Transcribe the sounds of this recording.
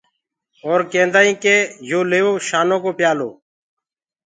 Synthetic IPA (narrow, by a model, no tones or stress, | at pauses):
oːɾkẽːnd̪aːĩːkeːjoːleːoːʃaːnõːkoːpɪjaːlo̰ː